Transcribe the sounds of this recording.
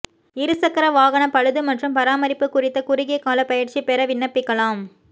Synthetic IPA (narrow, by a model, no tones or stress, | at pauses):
ɪɾɯsɐkːɐɾɐʋaːɣɐɳɐpɐɻɯðɯmɐʈrɯmpɐɾaːmɐɾɪpːɯkːʊrɪt̪ːɐkʊɾɪɣɐkːaːlɐpɐjɪɾt͡ʃipɛɾɐʋɪnːɐpːɪkːɐɭaːm